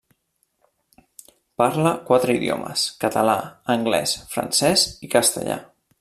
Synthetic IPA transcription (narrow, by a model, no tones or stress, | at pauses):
paɾləkwat̪ɾəiðjo̰mə̰skət̪əlaəŋɡlɛ̰sfɾə̰nsɛzikəst̪ə̰ʎa̰